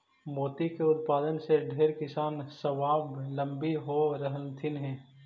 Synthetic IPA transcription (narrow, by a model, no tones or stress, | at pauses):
moːt̪ikeʊt̪̚paːd̪ənseɖʱeːɾkɪsaːnsɐʋaːblɐ̃mbiɦoɾəɦəlt̪ʰɪnɦɛ̃ː